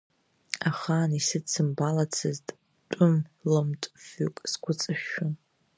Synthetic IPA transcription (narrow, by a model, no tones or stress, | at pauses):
aχaːnisɨt͡sʰɨmbalat͡sʰɨztʼ | tʷʼʊmlɨmtʷʼfʊkʼskʷʰʊt͡sʼɨʃʊn